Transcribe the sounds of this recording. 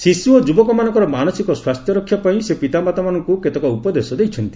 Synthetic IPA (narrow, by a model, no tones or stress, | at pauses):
sisuod͡ʒubɔkɔmanɔ̃ŋkɔɾɔmanɔsikɔswast̪ʰjɔɾɔkʰːjapaĩsepit̪amat̪amanɔŋkuket̪ɔkɔupɔd̪esɔd̪ejt͡ʃʰɔnt̪i̥